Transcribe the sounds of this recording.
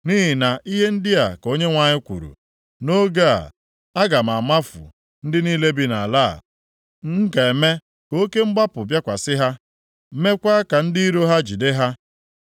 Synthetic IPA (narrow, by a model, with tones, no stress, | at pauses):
ni˦ɦɪ˨na˨ʔi˦ɦe˦n̩˦dɪ˦a˨ko˦ɲe˦ŋʷa˨ɲɪ˦kʷṵ˨ɾṵ˨ | no˦ɡa˦a̰˨ | a˦ɡa˨m̩˨a˨ma˦fʊ̰˨ | n̩˦dɪ˦niː˦le˦bi˦na̰˨la̰ː˦˨ | ŋ̩˦ɡa˨e˨me˦ | ko˦ke˦ŋ͡m̩˦ɡ͡ba˦pʊ˨bja˦kʷa˨sɪ˦ɦa˦ | me˦kʷa˦ka˨n̩˦di˦i˦ɾo˦ɦa˦d͡ʒi˨de˦ɦa˦